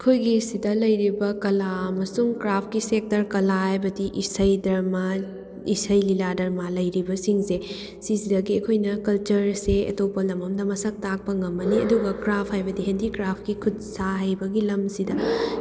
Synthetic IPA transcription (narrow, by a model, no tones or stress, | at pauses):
ɐkʰojɡisidɐlɐjɾibɐkɐlaɐmɐsuŋkɾapʰkisek̚tɐɾkɐlaɐjbɐdiʔisɐjdɐɾma | isɐjliladɐɾmalɐjɾibɐsiŋse | sisidɐɡiɐkʰojnɐkɐlt͡ʃɐɾseɐ̰towpɐlɐmɐmdɐmɐsɐk̚tak̚pɐŋɐmːɐniɐ̰duɡɐkɾapʰhajbɐdiɦendikɾapʰkikʰud̚saɦɐjbɐɡilɐmsidɐ